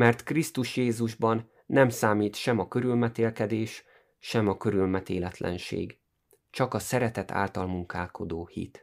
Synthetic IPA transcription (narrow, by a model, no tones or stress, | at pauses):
mɛrt̪krist̪uʃjeːzuʒbɒnː | ɛmsaːmiːt̪ʃɛmɒkøɾylmɛt̪eːlkɛd̪eːʃ | ʃɛmɒkøɾylmɛt̪eːlɛt̪lɛ̰nʃḛːɡ | t͡ʃɒkɒsɛɾɛt̪ɛt̪ʰa̰ːlt̪ɒlmuŋkaːlko̞d̪oːhḭt̪